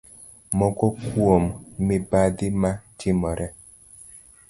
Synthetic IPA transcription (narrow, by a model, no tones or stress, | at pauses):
mɔkɔkwomːɪbadɪmat͡ʃɪmɔɾɛ